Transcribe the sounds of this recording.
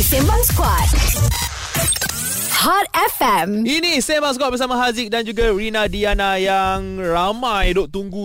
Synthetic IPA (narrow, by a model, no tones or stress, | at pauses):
sembãŋskwɔt̚ | hat̚ɛfɛminisembaŋs̬kwat̚bəɾsamãɦazik̚dand͡ʒuɡaɹinadianajaŋramãjdoʔt̪uŋɡu